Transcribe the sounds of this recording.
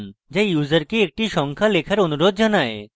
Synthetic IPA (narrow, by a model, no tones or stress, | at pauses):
nd͡ʑajjuzaɾkeek̚ʈiʃɔŋkʰalekʰaɾonuɾod̪̚d͡ʑanae